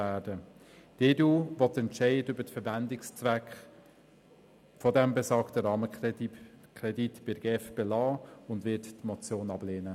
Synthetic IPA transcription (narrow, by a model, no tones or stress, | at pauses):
æːɾdə | d̥eduːʋɔtɛntʃɛɪdʏbətfəɾʋændɪkst͡sʋækχ | fɔdɛmbɛsɑːktəɾɑːmə | kʰɾɛditb̥ɪɾɡ̥eːfb̥elɑːʊndʋɪttmɔt͡sjoːnɑbleːnə